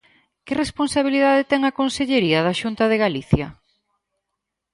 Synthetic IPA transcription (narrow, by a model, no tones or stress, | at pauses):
kɪresponsaβ̞iliðaðet̪ɛŋakonseʎeɾiɐðɐʃunt̪ɐðeɣaliθjɐ